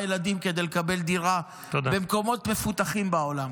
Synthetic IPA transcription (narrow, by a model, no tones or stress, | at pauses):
jelad̪imked̪ejlekabe̞ld̪iʁa | t̪odabe̞mko̞mo̞t̪me̞fut̪aχimbao̞lam